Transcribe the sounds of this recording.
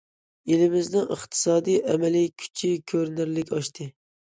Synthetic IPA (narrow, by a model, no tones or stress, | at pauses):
elɪmɪznɪŋʔəχt̪ʰɨ̥sɑːd̪ijʔɛmɛlikʲʰy̥t͡ʃʰikʲʰøɾnɪɾlɪkʲɑʃt̪ʰɨ